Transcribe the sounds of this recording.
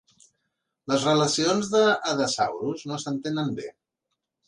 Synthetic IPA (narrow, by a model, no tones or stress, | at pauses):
ləzrələsionzðəːðəsawɾuznosənt̪enəmbḛ